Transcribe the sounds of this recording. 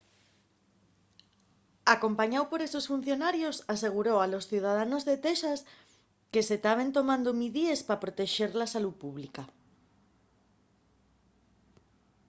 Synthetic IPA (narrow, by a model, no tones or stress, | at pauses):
akompaɲawpoɾesosfun̟θjonaɾjosaseɣ̞uɾowalosθiwð̞að̞anozðet̪eʃas | keset̪aβ̞ent̪omãnd̪omiðiespapɾot̪eʃeɾlasalupuβlika